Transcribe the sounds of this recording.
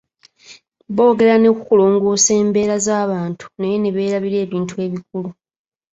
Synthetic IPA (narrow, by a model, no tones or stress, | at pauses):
βo̞ːɡe̞ɾane̞kukulo̞ːŋɡo̞ːse̞ːmbe̞ːɾazaːβaːntʰu̥nejeneβe̞ːɾaβiɾe̞ːβiːntue̞ːβik̚ulu